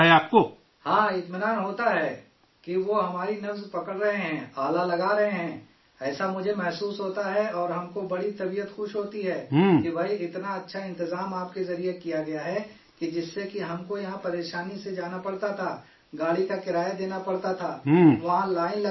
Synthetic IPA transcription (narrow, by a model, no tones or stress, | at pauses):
ɛaːp̚ko | hãːɪt̪mɪnaːnɦoːt̪aɦɛː | kiʋoɦɐmaːɾinɐfzpɐkəɽɾɐɦeɦɛ̃ːaːlalɐɡaɾɐɦẽɦɛ̃ː | ɛːsamʊd͡ʒʱemɛɦsuːsɦoːt̪aɦɛɔːɾɦɐmkobɐɽit̪ɐbijət̪xʊʃɦoːt̪iɦɛːɦkibʱɐɦiɪt̪naɐtːʃʰaɪ̃nt̪ɪzaːmaːpkezɐɾijekijaɡɐjaɦɛ | kid͡ʒɪsːekiɦɐmkojɐɦãpɐɾeːʃaːnised͡ʒaːnapɐɽt̪at̪ʰaː | ɡaːɽikakɪɾaːjad̪eːnapɐɽt̪at̪ʰaːɦʋɐɦãlaːɪnl